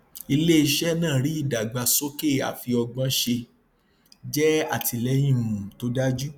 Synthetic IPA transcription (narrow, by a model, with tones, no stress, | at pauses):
i˧le˦i˧ʃɛ˦nãː˦˨ɾi˨˦i˦˨da˨ɡ͡ba˧so˦ke˦˨a̰˨fi˧ɔ˧ɡ͡bã˧˦ʃe˧ | d͡ʒɛ˦a˦˨ti˧lɛ˨˦j̃ĩ˦˨mũ˨to˦da˦d͡ʒu˦